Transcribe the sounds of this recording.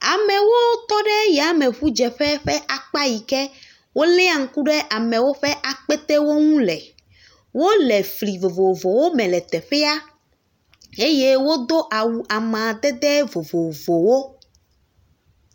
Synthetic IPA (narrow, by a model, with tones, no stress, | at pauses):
a˨mɛ̃˨wo˦t̪ɔ˦ɖɛ˦jɛ˨a˨mɛ̃˨ɸu˦d͡ʒɛ˨ɸɛ˦ɸɛ˦ʔa˨k͡pa˦ji˨kɛ˦ | wo˦lɛ˦a˨ŋ̩˦ku˦ɖɛ˦ʔa˨mɛ̃˨wo˦ɸɛ˦ʔa˨k͡pɛ˦t̪ɛ˦wo˦ŋũ˦lɛ˨ | wo˦lɛ˨fli˨vo˨vo˨vo˨wo˦mɛ̃˨lɛ˨t̪ɛ˨ɸɛ˦a˦ | e˦je˦wo˦d̪o˦ʔa˨wu˨ʔa˨mã˨d̪ɛ˦d̪ɛ˦vo˨vo˨vo˨wo˦